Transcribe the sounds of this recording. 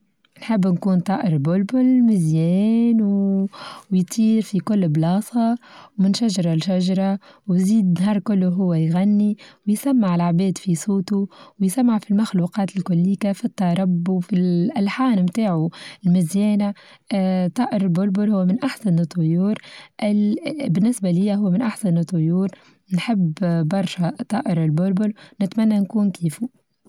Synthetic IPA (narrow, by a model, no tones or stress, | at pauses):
nħɪbːnkuːnt̪ˤɑːʔɪɾbʊlbʊlmɪzjɛːnw | wjt̪ˤiːɾfikʊlːblɑːsˤɑwmɪnʃaʒɑɾˤɑlʃaʒɑɾˤɑwziːd̪nɦɑːɾˤkʊlːuɦʊwːajɣanːiwjsamːaʕɪlʕbɛːd̪fisˤuːt̪uwjsamːaʕfilmaxluːqɑːt̪ɪlkʊlːiːkafit̪ˤːɑɾˤɑbːufilʔalħaːnmt̪aːʕuɪlmɪzjɛːna | t̪ˤɑːʔɪɾɪlbʊlbʊlhʊwːamɪnʔaħsanɨt̪ˤːʊjuːɾʔɪbɪnːɪsbalɪjːaɦʊwːmɪnʔaħsanɨt̪ˤːʊjuːɾ | nħɪbːbɑɾˤʃat̪ˤɑːʔɪɾɪlbʊlbʊlnɪt̪manːankuːnkiːfu